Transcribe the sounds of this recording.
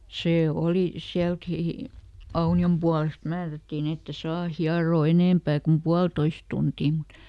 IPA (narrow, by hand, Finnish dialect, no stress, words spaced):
seː oli siælkiˑ ɑuniom puɑlest mæːrætːiːn etːe sɑː hiɑroː eneˑmpæː kum puɑltois tuntiː mut